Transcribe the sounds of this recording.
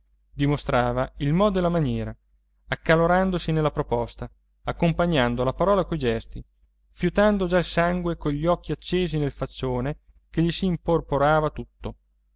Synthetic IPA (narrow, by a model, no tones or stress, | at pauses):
d̪imost̪ɾaːvailmɔːd̪elːamanjɛːɾa | akːaloɾand̪osinelːapɾopɔst̪a | akːompaɲːand̪olapaɾɔːlakojd͡ʒɛst̪i | fjut̪and̪od͡ʒailsaŋɡwekoʎːiɔkʰːiat͡ʃːeːzinelfat͡ʃːoːne | keʎisiːmporpoɾaːvat̪ut̪ːo